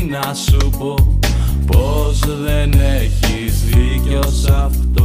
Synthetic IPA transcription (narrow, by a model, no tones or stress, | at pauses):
nɐsupo̞po̞zðeneçizðiceosɐft̪o